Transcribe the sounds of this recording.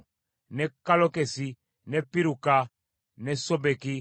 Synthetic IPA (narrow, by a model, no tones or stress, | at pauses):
nɛkalɔkesi | nɛpiɾuka | nɛsɔbeki